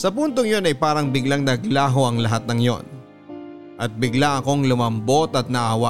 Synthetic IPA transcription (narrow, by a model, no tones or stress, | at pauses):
sɐpunt̪oŋjo̞nɐjpaːɾɐŋbɪɡlaŋnɐɡlaːɦo̞ʔɐŋlɐɦat̪̚nɐŋjo̞̰n | ʔɐt̪̚bɪɡlaʔɐko̞ŋlʊmɐmbo̞t̪ɐt̪̚nɐʔaːwa